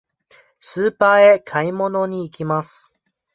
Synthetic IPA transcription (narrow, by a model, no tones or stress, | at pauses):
sɨːpaːe̞kʰaimo̞no̞ɲ̟iːkʲimasɨ̥